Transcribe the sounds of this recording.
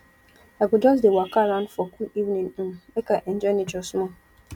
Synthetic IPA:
aɡʊdɔs̬dewakaɾãnfɔkʰuivnĩŋ̩mekaʔɛnd͡ʒɔnɪ̃d͡ʒɔsmɔ̃

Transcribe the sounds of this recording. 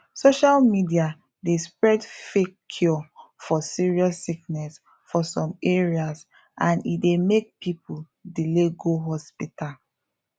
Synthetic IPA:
soʃalmidia | despɹɛdfekʰːjɔfɔsiɹiɔsːik̚nɛs | fɔsɔ̃meɹias | ãnḭdemek̚pipul | dileɡoɦɔspita

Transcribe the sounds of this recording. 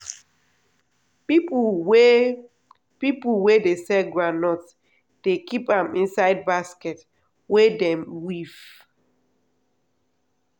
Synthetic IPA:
pi | pipwedesɛɡɹãnɔts | d̥ekipãmĩnsaɪd̚baskɛt | wedɛ̃mwiv

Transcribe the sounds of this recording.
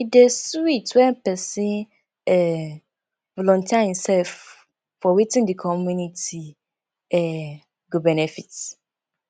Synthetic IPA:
idɛswitwɛ̃mpʰɛsɪ̃ | ɛ | vɔlɔ̃ntʰiaĩnsɛlf | fɔwitʰɪ̃ndikʰɔmũnitʰi | ɛ | ɡubɛnɛfit

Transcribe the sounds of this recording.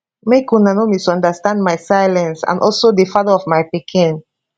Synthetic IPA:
mekunanomisɔ̃ndəstãndmajsajlɛ̃nsã̰nʔɔlsodifaðəɔvmajpikʰĩn

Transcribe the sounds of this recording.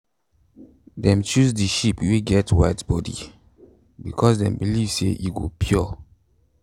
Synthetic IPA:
dɛ̃mt͡ʃusdiʃipweɡɛtwaɪtbɔdḭ | bikʰɔsdɛ̰̃mbilivsḛʔiɡopʰjɔ

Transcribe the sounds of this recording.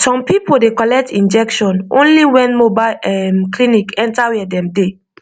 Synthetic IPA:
sɔ̃mpipodekɔlɛk̚tĩnd͡ʒɛkʃɔ̃nʔõ̰nliwɛ̃nmobaɛmklinikɛ̃ntawɛdɛ̃mde

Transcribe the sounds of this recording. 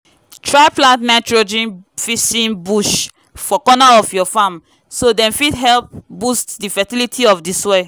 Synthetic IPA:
tʰɹaɪplãntnaɪtɹod͡ʒɛ̃nfisĩnbuʃ | fɔkɔnaɔfjɔfam | sodɛ̃nfidɦɛlp̚bustdifɛtilitʰiɔfdiswe

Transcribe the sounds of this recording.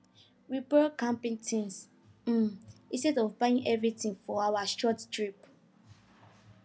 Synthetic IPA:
ɹibɛkãmpĩŋtʰĩns̩ | ĩstɛdɔvbaĩŋʔɛvɹitĩŋfɔawaʃɔttɹip

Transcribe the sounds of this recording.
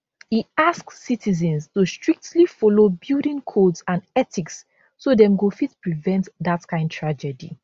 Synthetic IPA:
hiaskːitʰizɛ̃nstustɹ̥ik̚tʰlifɔlobildĩŋkʰodsãnɛtiks | sodɛ̃mɡofitpɹivɛ̃ntðatkʰãɪ̃ndtʰɹad͡ʒɛdḭ

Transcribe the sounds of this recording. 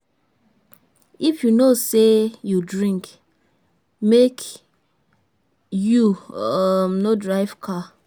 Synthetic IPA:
ifjunosejudɹĩŋk | mek | ju | mnodɹaɪv̥kʰa

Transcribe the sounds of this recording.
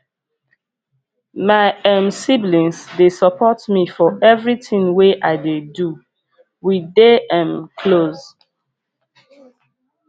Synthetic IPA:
maɪɛ̃msiblĩnsdesəpʰɔtmifɔʔɛvɹitĩŋweʔaɪdedu | wideãmkʰloz

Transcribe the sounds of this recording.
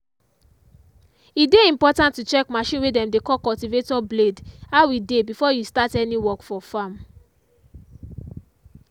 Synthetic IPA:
ideĩmpɔtãntːut͡ʃɛkmaʃĩnwedɛ̃mdekɔkɔltivetɔbledawidebifɔjustatɛniwɔkfɔfãm

